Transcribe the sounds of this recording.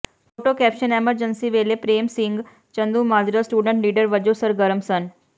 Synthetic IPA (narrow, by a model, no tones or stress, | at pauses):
foːʈokɛːpʃəneːməɾd͡ʒənsiʋeːlepɾeːmsɪ̃ŋɡ | t͡ʃə̃nd̪umaːd͡ʒɾasʈuːɖə̃ɳʈliːɖəɾʋəd͡ʒosəɾɡɐɾəmsən